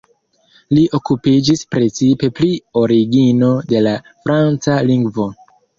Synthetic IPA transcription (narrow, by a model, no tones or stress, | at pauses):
liʔo̞kupid͡ʒispɾe̞t͡sipe̞plio̞ɾiɡino̞de̞la | fɾant͡saliŋɡvo̞